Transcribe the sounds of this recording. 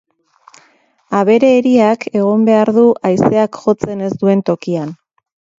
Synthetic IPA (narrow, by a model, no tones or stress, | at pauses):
aβ̞e̞ɾe̞ːɾiake̞ɣ̞o̞mbe̞aɾðuʔajse̞akxo̞t͡se̞ne̞zd̪ue̞nt̪o̞kian